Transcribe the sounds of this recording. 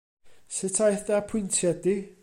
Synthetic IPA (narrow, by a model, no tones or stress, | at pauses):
sɪtʰajθapʰʊɨntʰjɛdi